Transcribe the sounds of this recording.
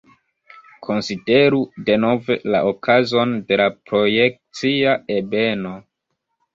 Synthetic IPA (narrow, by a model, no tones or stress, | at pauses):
kʰo̞nside̞ɾude̞no̞ve̞la̰ʔokʰazo̞nde̞lapɾo̞jek̚t͡siaebe̞no̞